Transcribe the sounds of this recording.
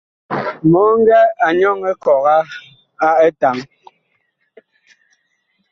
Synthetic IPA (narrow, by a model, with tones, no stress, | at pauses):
mɔ˨˦ŋ̩˦ɡɛ˦a˨ɲɔ˦ŋɛ˦kɔ˨ɣa˦ | a˦ɛ˦ta˨ŋ